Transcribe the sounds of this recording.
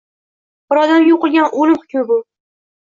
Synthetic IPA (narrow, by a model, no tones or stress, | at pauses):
b̥ɨɾɒd̪amjoqɨlˠɡʲanʔolɪmχʊ̥kʲmɪbʊ